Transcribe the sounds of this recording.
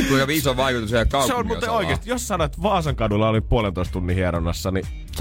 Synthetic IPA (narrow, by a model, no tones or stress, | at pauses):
uijopiisoʋʋɑikut̪usejɑkkɑuseonut̪eoikest̪ijossɑnoet̪ʋɑːsɑŋkɑdulːɑolimpuolenoist̪unːihiɑɾonːɑsːɑni | s